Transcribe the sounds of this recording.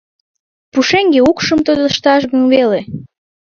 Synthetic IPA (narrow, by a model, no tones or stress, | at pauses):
puʃeŋɡeukʃəmt̪od̪əʃt̪ɑʃ̬ɣənβele